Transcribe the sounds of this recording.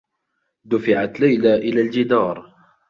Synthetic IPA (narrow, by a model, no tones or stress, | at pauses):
d̪ʊfɪʕat̪lajlaʔɪlaːld͡ʒɪd̪ɑːɾˤ